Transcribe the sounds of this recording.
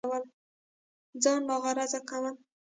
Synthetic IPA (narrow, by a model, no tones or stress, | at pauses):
wəl | d͡zɑnlɑɣɑɾazakawəl